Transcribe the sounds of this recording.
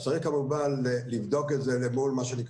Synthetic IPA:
saʁikamubalːivd̪okezelemulmaʃenik

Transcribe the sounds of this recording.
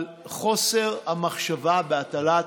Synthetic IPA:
l | χo̞se̞ʁhamaχʃavabeat̪ala

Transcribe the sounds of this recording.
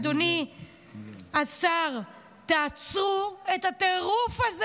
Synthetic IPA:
d̪oni | asaʁ | t̪aːt͡sʁuetat̪eʁufaz

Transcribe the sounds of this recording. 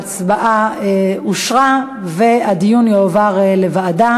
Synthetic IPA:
t͡sbaʔaeuʃʁa | vead̪ijunjeovaʁele̞vaːda

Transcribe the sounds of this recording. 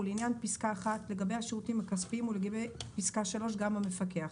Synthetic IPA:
uleinjanpiskaːχatle̞ɡabejhaʃeʁutimakaspiimuleɡabejpiskaʃalo̞ʃ̬ɡamame̞fake̞aχ

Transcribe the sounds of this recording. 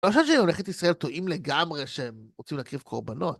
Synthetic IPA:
loaʃavʃeemoleχet̪isʁae̞lt̪o̞ʔimle̞ɡamʁe̞ʃeemʁot͡simlaːkʁivkʰo̞ʁbano̞t̪̚

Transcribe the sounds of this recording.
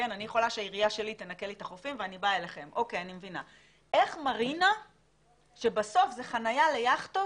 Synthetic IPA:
kenanijeχo̞laʃeajiʁijaʃe̞lit̪enake̞let̪aχofimveanibaeleχe̞mʔo̞kejanimevina̰ | ʔe̞χmaʁina | ʃe̞baso̞fzeχanajale̞jaχt̪o

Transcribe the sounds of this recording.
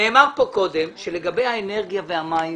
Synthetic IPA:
eːmaʁpo̞ko̞d̪emʃele̞ɡabe̞jhaene̞ʁɡijavehama

